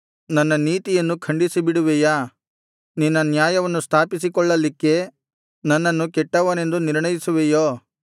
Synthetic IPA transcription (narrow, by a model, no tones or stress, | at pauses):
nɐnːɐniːt̪ijɐnːukʰɐɳɖisibiɽuʋeja | ninːɐnjaːjɐʋɐnːust̪ʰaːpisikɔɭːɐlːikːe̞ | nɐnːɐnːukɛʈːɐʋɐne̞nd̪uniɾɳɐjisuʋejoː